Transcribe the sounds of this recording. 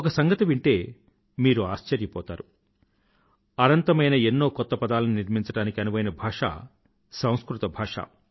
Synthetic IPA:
ɔkɐsɐŋɡɐt̪ɐʋiɳʈe̞ː | miːɾuaːʃt͡ʃɐɾjɐpɔ̰ːt̪a̰ːɾu | ɐnɐnt̪ɐmɐjnɐenːo̞ːkɔt̪ːɐpɐd̪aːlɐniniɾmiɲt͡ʃɐɽaːnikiɐnubɐjnɐbʱaːʂa̰ː | sɐ̃w̃skɾut̪ɐbʱaːʂa̰ː

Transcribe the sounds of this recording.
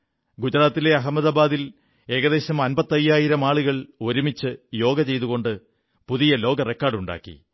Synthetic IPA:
ɡud͡ʑɐɾaːt̪ːile̞ɐɦɐmːɐðaːbaːðil | e̞ːɣɐðe̞ːɕɐmɐnbɐt̪ːɐjːaːjiɾɐmaːɭuɣɐɭo̞ɾumit͡ɕːɨjo̞ːɡɐt͡ɕe̞jt̪uɣo̞ɳɖɨ | puðijɐlo̞ːɡɐre̞kːaːrɖuɳɖa̰ːkːḭ

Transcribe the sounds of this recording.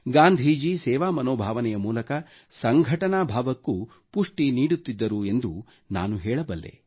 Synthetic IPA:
ɡaːnd̪ʱid͡ʒisɛːʋaːmɐnoːbʱaːʋɐnɛjɐmuːlɐkɐ | sɐŋɡʱɐʈɐnaːbʱaːʋɐkːu | puʂʈiniːɽut̪ːid̪ːɐɾue̞nd̪u | na̰ːnuɦɛːɭɐbɐlːe̞̰

